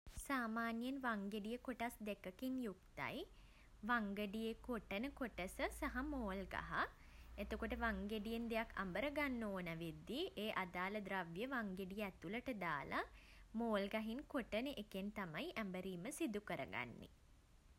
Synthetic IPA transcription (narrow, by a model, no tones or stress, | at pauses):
saːmaːnjənʋaŋɡeɖijəkoʈasd̪ekəkinjukt̪a̰j | ʋaŋɡəɖijekoʈənəkoʈəsəsaɦamoːlɡa̰ɦa | et̪okoʈəʋaŋɡeɖijend̪ejakʰːa̰mbəɾəɡanːoːnæʋed̪ːiʔeːʔad̪aːləd̪ɾaʋjəʋaŋɡeɖijəɛt̪uləʈəd̪aːlʔa | moːlɡaɦinkoʈənəʔekent̪amajʔæmbəɾiːməsid̪ukəɾə̰ɡa̰nːḛ